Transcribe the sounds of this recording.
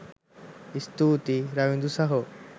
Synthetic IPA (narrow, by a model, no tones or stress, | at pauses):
ist̪ut̪iɾawind̪usaɦo